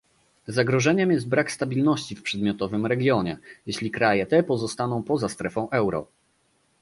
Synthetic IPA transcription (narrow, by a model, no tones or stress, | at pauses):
zaɡɾɔʐɛɲɛmjɛst̪̚bɾakst̪abʲilnɔɕt͡ɕifpʂɛd̪̚mʲjɔt̪ɔvɘmɾɛɡʲjɔɲɛjeɕlʲikɾajɛt̪ɛpɔzɔst̪anɔ̃w̃pɔzast̪ɾɛfɔ̃w̃ʔɛwɾɔ̰